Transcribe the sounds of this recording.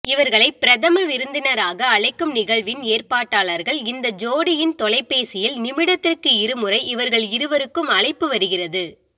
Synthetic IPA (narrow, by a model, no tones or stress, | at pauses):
ɪʋɐɾɣɐɭɐɪpɪɾɐðɐmɐʋɪɾɯnd̪ɪnɐɾaːɣɐːɭɐɪkːɯmnɪɣɐɭʋɪneːrpaːʈːaːɭɐɾɣɐɭɪnd̪ɐd͡ʒoːɽɪjɪnt̪ɔɭɐɪpːeːsɪjɪlnɪmɪɽɐt̪ːɪrkɯɪɾɯmɯrɐɪʔɪʋɐɾɣɐɭɪɾɯʋɐɾɯkːɯmɐɻɐɪpːɯʋɐɾɯɣɪrɐðɯ